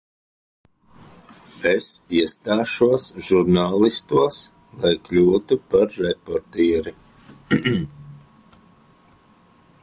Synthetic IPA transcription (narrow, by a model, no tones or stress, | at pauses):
esiɛst̪aːʃuɔsʒuɾnaːlˠist̪uɔs | lˠajklʲuːt̪upaɾːepɔɾt̪iːɾi